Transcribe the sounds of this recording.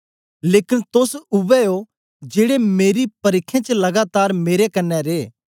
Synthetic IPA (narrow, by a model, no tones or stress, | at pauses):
leːkɪnt̪ʊsʊʋɛo | d͡ʒeːɽemeːɾipɐɾɪkʰːẽt͡ʃlɐɡaːt̪aːɾmeːɾekɐnːɛɾeː